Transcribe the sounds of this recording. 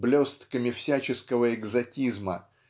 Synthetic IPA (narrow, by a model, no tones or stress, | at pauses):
blʲo̞st̪kəmʲɪfsʲæt͡ɕɪskəvəɪɡzɐtʲizmə